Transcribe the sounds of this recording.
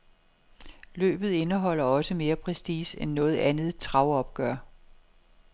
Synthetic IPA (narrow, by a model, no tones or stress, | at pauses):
lø̰ːb̥ð̩ˠe̝nəɦɒ̽l̰ɐɒ̽səme̝ːɐpʰʁɛsd̥ḭːsenːɔ̽ːð̞̩ˠænð̩ˠt͡sʰʁɑ̈ʊɒ̽b̥ɡ̥ɶɐ̰